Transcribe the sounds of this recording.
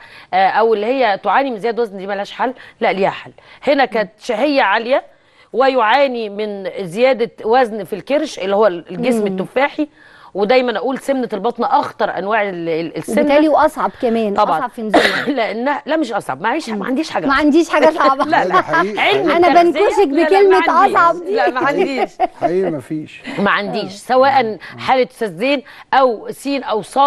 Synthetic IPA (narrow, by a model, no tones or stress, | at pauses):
ʔæʔæwelːihejːæt̪oʕaːnimenzejæːd̪wæznd̪imælhæːʃħalːæʔliːhæħalːhenækæːt̪ʃæhejːæʕaljæ | wejoʕaːnimenzejæːd̪æwæznfilkeɾʃʔelːihowːæɡesmet̪ːofaːħi | wed̪æjmænʔæʔuːlsemnælbɑt̪ˤnɑʔɑxt̪ɑɾˤʔæ̰nwaːʕeesːemt̪ːæːæliʔɑsˤʕɑbkæmɛːnɑbʕɑˤʕɑbfinzuleʔenːæhælæʔmeʃʔɑsˤʕɑbmæʕiːʃħmæʕand̪iːʃħaːɡmæʕand̪iːʃħaːɡæsˤɑʕblæʕelmænæbænkosekbekelmeʔɑsˤʕɑblæmæʕand̪iːʃiːmæfiːʃmæʕand̪iːʃsæwæːʔænħaːlet̪sæzːeːnʔæwsiːnʔæwsˤɑː